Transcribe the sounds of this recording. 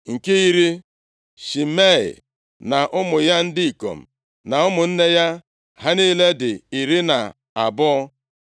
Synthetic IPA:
ŋ̩˨ke˦i˦ɾi˦ | ʃi˨me˦˨ḭ˨ | na˨ʔʊ˦mʊ˨ja˦n̩˦di˦i˨ko̰˨m̩˨ | na˨ʊ˦mʊ˨n̩˦ne˦ja˦ | ɦa˦ni˦le˦dɪ˨i˨ɾi˦na˨ | a̰˨bʊ˦ɔ˦

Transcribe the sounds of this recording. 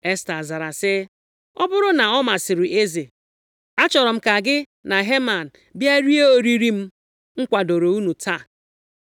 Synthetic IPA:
e˦sta˨za˨ɾa˨sɪ˦ | ɔ˦bʊ˦ɾʊ˦na˨ɔ˦ma˨sɪ˨ɾʊ˨ʔe˦ze˨ | a˦t͡ʃɔ˨ɾɔ˨m̩˦ka˨ɡɪ˦ | na˨ɦe˦ma˨n̩˨ | bja˦ɾi˦e˦o˦ɾi˦ɾi˦m̩˦ | ŋ̩˦kʷa˨do˨ɾo˨u˦nu˨tʰa˦˨

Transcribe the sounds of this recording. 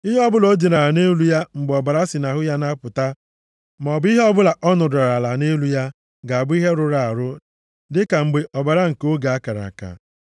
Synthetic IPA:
i˦ɦe˦ɔ˦bʊ˦lo˦d͡ʒi˨na˨ɾa˨ne˦lu˦ja˦ŋ͡m̩˨ɡ͡be˨ɔ˨ba˨ɾa˦si˨na˨ɦʊ˦ja˦na˦pʊ˨ta˦ | m˨ɔ˨bʊ˦i˦ɦe˦ɔ˦bʊ˦la˨ʔɔ˦nʊ˨da˨ɾa˨la˨ne˦lu˦ja˦ | ɡa˨a˨bʊ˦i˦ɦe˦ɾʊ˨ɾa˨a˨ɾʊ˦ | dɪ˦ka˨ŋ͡m̩˨ɡ͡be˨ʔɔ˨ba˨ɾa˦ŋ̩˨ko˦ɡa˨a˦ka˨ɾa̰˨ka̰˨

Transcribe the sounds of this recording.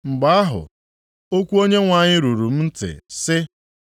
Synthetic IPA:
ŋ͡m̩˨ɡ͡ba˨˦a˦ɦʊ̰˨ | o˦kʷu˦o˦ɲe˦ŋʷa˨ɲɪ˦ɾu˨ɾu˨m̩˦n̩˦tɪ̰˨sɪ˦

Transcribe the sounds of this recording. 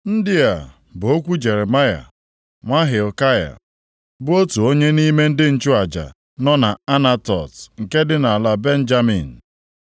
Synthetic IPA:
n̩˦dɪ˦a˨ | bo˦kʷu˦d͡ʒe˨ɾe˨ma˦ja̰˨ | ŋʷa˦ɦɪ˨o˨ka˦ja̰˨ | bʊ˦o˦tu˨o˦ɲe˦ni˦me˦n̩˦dɪ˦n̩˨t͡ʃʊ˦a˨d͡ʒa̰˨ | nɔ˦na˨a˦na˦tɔ̰˨sŋ̩˨ke˦dɪ˦na˨a˨la˦be˦n̩˦d͡ʒa˦mḭ˨n̩˨

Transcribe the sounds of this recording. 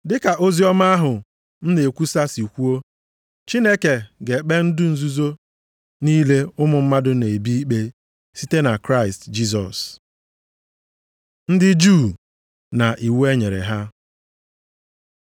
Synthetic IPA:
dɪ˦ka˨ʔo˦zi˦ɔ˦ma˦a˦ɦʊ˨ | n̩˦ne˨kʷu˦sa˦si˨kʷu˦o˦ | t͡ʃi˦ne˦ke˨ɡe˨k͡pe˦n̩˦dʊ˦n̩˨zu˦zo˦ | niː˦le˦ʊ˦mʊ˨m̩˦ma˦dʊ˦ne˨bi˦i˦k͡pe˦ | si˦te˦na˨kɾa˦ɪ˨std͡ʒi˦s̬ɔ˨s | n̩˦dɪ˦d͡ʒu˦˨ | na˨ʔi˨we˦ɲe˨ɾḛ˨ɦa˦

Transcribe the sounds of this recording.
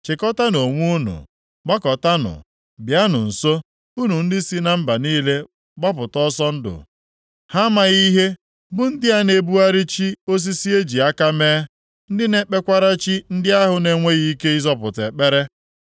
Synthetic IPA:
t͡ʃɪ˨kɔ˦ta˦no˨ŋʷu˦nṵ˨ | ɡ͡ba˦kɔ˨ta˦nʊ̰˨ | bja˦nʊ̰˨n̩˨so˦ | u˦nu˨n̩˦dɪ˦si˦na˨m̩˦ba˨niː˦le˦ | ɡ͡ba˦p̬ʊ˨tɔ˦sɔ˦n̩˦dʊ̰˨ | ha˦ma˨ɣi˦ɦe˦ | bʊ˦n̩˦dɪ˦a˦ne˨bu˦a˦ɾi˦t͡ʃi˦o˦s̬i˦si˦e˦d͡ʒi˨a˦ka˦meː˦ | n̩˦dɪ˦ne˦k͡pe˦kʷa˦ɾa˦t͡ʃi˦n̩˦dɪ˦a˦ɦʊ˨ne˨ŋʷe˦ɣi˦i˦ke˦i˦zɔ˦pʊ˨tḛ˨k͡pe˦ɾe˦

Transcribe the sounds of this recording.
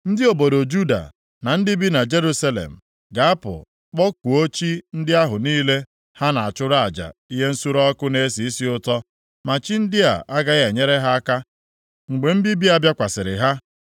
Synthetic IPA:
n̩˦dɪ˦o˨bo˨do˨d͡ʒu˦da̰˨ | na˨n̩˦dɪ˦bi˦na˨d͡ʒe˦ɾu˦sa˦lḛ˨m̩˨ | ɡa˨a˦pʊ̰˨ | k͡pɔ˦k̚u˨o˦t͡ʃi˦n̩˦dɪ˦a˦ɦʊ˨niː˦le˦ | ha˦na˨a˨t͡ʃʊ˦ɾa˨a˨d͡ʒa̰˨i˦ɦe˦n̩˦su˦ɾɔ˦kʊ˦ne˦si˨i˦si˦ʊ˦tɔ˦ | ma˨t͡ʃi˦n̩˦dɪ˦a̰˨ʔa˦ɡa˦ɣe˨ɲe˦ɾe˦ɦa˦a˦ka˦ | ŋ͡m̩˨ɡ͡be˨m̩˦bi˦bi˦a˦bja˦kʷa˨sɪ˨ɾɪ̰˨ɦa˦

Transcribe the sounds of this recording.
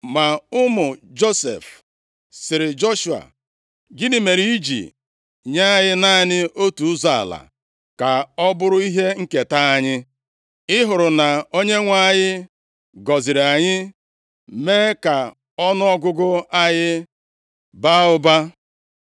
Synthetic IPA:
ma˨ʊ˦mʊ˨d͡ʒo˦sḛ˨f | sɪ˨ɾɪ˨d͡ʒo˦ʃu˨a̰˨ | ɡɪ˦ni˨me˨ɾi˦i˦d͡ʒḭ˨ | ɲa˦jɪ˦na˦˨ɲɪ˦o˦tu˨ʊ˦za˦˨a̰˨la̰˨ | ka˨ɔ˦bʊ˦ɾʊ˦i˦ɦe˦ŋ̩˦ke˨ta˦a˦ɲɪ˦ | ɪ˦ɦʊ˨ɾʊ˨na˨o˦ɲe˦ŋʷa˦a˦ɲɪ˦ | ɡɔ˨zɪ˨ɾa˨ɲɪ˦ | me˦ka˨ | ɔ˦nʊ˦ɔ˦ɡʊ˦ɡʊ˦a˦jɪ˦ | ba˦ʊ˦ba˦

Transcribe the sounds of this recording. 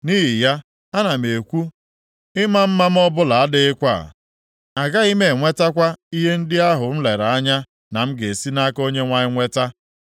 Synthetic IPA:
ni˦ɦi˨ja˦ | a˦na˨m̩˨e˨kʷu˦ | ɪ˦ma˦m̩˦ma˦m̩˦ɔ˦bʊ˦la˨a˦dɪ˦ɪ˦kʷa̰˦˨ | a˨ɡa˦i˦me˨ŋʷe˦ta˦kʷa˦i˦ɦe˦n̩˦dɪ˦a˦ɦʊ˨n̩˦le˨ɾa˨a˦ɲa˦ | na˨m̩˦ɡe˨si˦na˦ko˦ɲe˦ŋʷa˦ɲɪ˦ŋʷe˦ta˦

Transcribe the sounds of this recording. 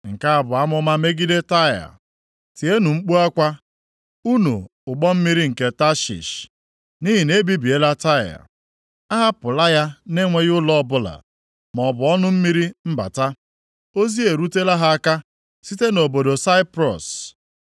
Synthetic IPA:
ŋ̩˨ka˦a˨bʊ˨a˦mʊ˦ma˦me˦ɡi˦de˦ta˦ja̰˨ | ti˨e˦nu˨ŋ͡m̩˦k͡pu˦a˦kʷa˦ | u˦nṵ˨ʊ˨ɡ͡bɔ˦m̩˦mi˦ɾi˦ŋ̩˨ke˦ta˦ʃḭ˨ʃ | ni˦ɦi˨ne˦bi˦bi˨e˦la˦ta˦ja̰˨ | a˦ɦa˦pʊ˨la˦ja˦ne˦ŋʷe˦ɣʊ˦lɔ˦bʊ˦la̰˨ | m˨ɔ˨bʊ˨ɔ˦nʊ˦m̩˦mi˦ɾi˦m̩˦ba̰˨ta˦ | o˦zi˦e˨ɾu˦te˦la˦ɦa˦a˦ka˦ | si˦te˦no˨bo˨do˨sa˦ɪ˦pɾɔ̰˨s

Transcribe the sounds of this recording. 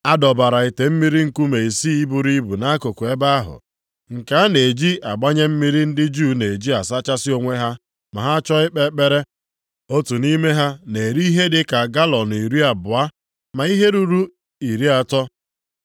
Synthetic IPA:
a˦dɔ˨ba˨ɾa˨i˨te˨m̩˦mi˦ɾi˦ŋ̩˨ku˦me˨i˨si˦i˦bu˨ɾi˦bu˨na˦ko˨kʊ˨e˦ba˦a˦ɦʊ̰˨ | ŋ̩˨ka˨˦a˦ne˨d͡ʒi˦a˨ɡ͡ba˦ɲe˦m̩˦mi˦ɾi˦n̩˦dɪ˦d͡ʒu˦ne˨d͡ʒi˦a˨sa˦t͡ʃa˦sɪ˦o˦ŋʷe˦ɦa˦ | ma˨ɦa˦t͡ʃɔ˦ɪ˦k͡pe˦k͡pe˦ɾe˦ | o˦tu˨ni˦me˦ɦa˦ne˨ɾi˦i˦ɦe˦dɪ˦ka˨ɡa˦lɔ˨n˨i˨ɾi˦a˨bʊ˨a˦ | ma˨i˦ɦe˦ɾu˦ɾu˦ | i˨ɾi˦a˨tɔ˦

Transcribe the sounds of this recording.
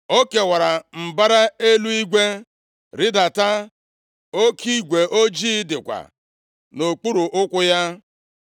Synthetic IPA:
o˦ke˨wa˨ɾa˨m̩˨ba˦ɾa˦e˦lu˦i˦ɡʷe˦ | ɾɪ˦da˨ta˦ | o˦ki˦ɡʷe˨ʔo˦d͡ʒi˦dɪ˨kʷa̰˨ | no˨k͡pu˦ɾu˨ʔʊ˦kʷʊ˦ja˦

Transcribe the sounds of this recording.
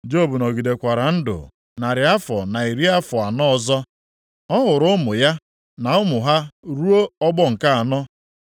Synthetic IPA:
d͡ʒo˦˨bu˨nɔ˨ɡi˨de˨kʷa˨ɾa˨n̩˦dʊ̰˨ | na˨ɾɪ˨a˦fɔ̰˨na˨i˨ɾi˦a˦fɔ˨a˨nɔ˦˨zɔ˦ | ɔ˦ɦʊ˨ɾʊ˦mʊ˨ja˦ | na˨ʊ˦mʊ˨ɦa˦ɾu˦o˦ɔ˦ɡ͡bɔ˦ŋ̩˨ka˦a˨nɔ˦

